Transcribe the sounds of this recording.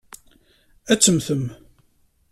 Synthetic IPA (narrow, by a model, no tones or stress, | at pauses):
æt͡sːəmθəm